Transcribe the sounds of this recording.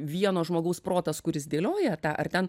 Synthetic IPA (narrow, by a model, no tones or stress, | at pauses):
ʋʲiɛnoːʒmoːɡɐʊspɾoːt̪ɐskʊɾʲɪsd̪ʲeːlʲoːjɛt̪ɑːʔɐrt̪ʲɛn